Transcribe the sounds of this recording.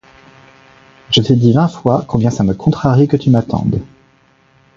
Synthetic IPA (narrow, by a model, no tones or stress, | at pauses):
ʒ̥ət̪ʰed̪ivɛ̃fwakɔ̃bjɛ̃saməkʰɔ̃t̪χaʁikət̪ymat̪ɑ̰̃d̪